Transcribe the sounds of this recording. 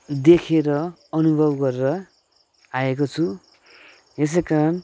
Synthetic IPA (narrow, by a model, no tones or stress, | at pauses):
d̪ekʰeɾʌ | ʌnubʱʌbɡʌreɾʌ | aekot͡sʰu | es̬ekan